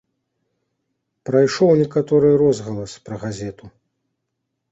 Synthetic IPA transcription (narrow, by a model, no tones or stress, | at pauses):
pɾajʂɔwnʲɛkat̪ɔɾɨjɾɔzɣɐlˠɐspɾɐɣazʲɛt̪u